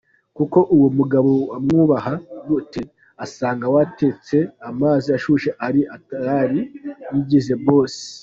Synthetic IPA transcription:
kuko̞ʔuwomuɡaβowamŋuːβahaɡute | asaːŋɡawatet͡se̞amaːziaʃuʃeʔaɾiʔataɾaɾiniɟize̞βo̞ːse̥

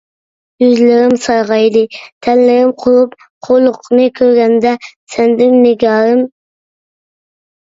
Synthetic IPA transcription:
jyzlɪɾɪmsɑjʁɑjd̪ɨt̪ʰɛlːɪɾɪmqʰolˠup | qʰolˠʊqʰnɨkʲʰøɾɡʲɛnd̪ɛsɛnd̪ɪnːɪɡʲɑɾɨm

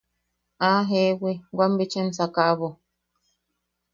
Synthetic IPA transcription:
aɦeweɡwam̩bet͡ʃen̩sakaːβɔ

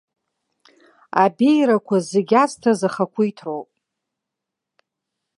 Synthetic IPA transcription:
abejɾakʷʰazeɡʲastʰazaχakʷʰujtʰrowpʼ

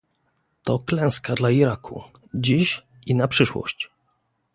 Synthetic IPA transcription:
t̪ɔklɛ̃w̃skad̪laiɾakʰṵ | d͡ʑiɕ | inapʂɘʂwɔ̰ɕt͡ɕ

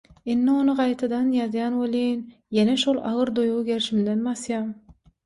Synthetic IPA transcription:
inːio̞nɯɢɑjt̪ʰɑd̪ɑnjɑzjɑːnwolin | jeneʃolˠɑ̰ʁɯɾd̪ojʁuɡe̞ɾʃimd̪enbɑsjɑːm

